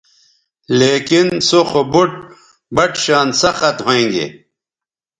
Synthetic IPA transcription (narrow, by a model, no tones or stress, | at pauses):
leːkinsoxobuʈ̚ | bɐʈɕaːnsɐxɐt̪ɦẽːŋɡḛ